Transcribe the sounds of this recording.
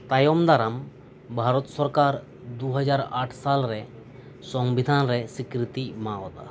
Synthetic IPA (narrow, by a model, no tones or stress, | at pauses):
t̪ajɔmd̪aɾam | bʱaɾɔt̪sɔɾkaɾ | d̪uɦɔd͡ʒaɾaʈʰsalɾɛ | sɔŋbid̪ʱanɾɛsikɾit̪imaɔt̪a̰